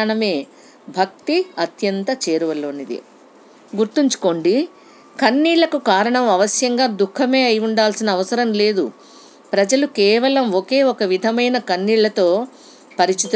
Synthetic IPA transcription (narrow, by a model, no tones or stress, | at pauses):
ɳɐme̞ː | bʱɐk̚t̪iɐt̪jɐnt̪ɐt͡ʃeːɾuʋɐlo̞ːnid̪ḭ | ɡuɾt̪iɲt͡ʃu̥ko̞ːɳɖi | kɐnːiːɭɐkukaːɾɐɳɐmɐʋɐsjɐŋɡaːd̪ukʰːɐme̞ːɐjuɳɖaːlsinɐːʋɐsɐɾɐmle̞ːd̪u | pɾɐd͡ʒɐlukɛːʋɐlɐmoke̞ːɔkɐʋid̪ʱɐmɐjnɐkɐnːiːɭːɐt̪o̞ː | pɐɾit͡ʃit̪u